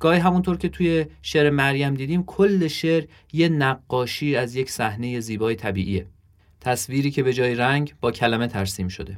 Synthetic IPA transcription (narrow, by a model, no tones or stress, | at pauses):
ɡ̥ɒːhiɦæmunt̪ʰoɾcʲʰe̞t̪ʰuje̞ʃeɾemæɾjæmd̪iːd̪iːmkʰolːe̞ʃeɾ | je̞næɡːɒːʃiːæzje̞cʰsæhne̞je̞ziːbɒːjet̪ʰæbḭːʔiːe | t̪ʰæsviːɾiːcʰe̞be̞d͡ʒɒːjeɾæŋɡbɒːcʰælæme̞t̪ʰæɾsiːmʃo̞̰d̪e̞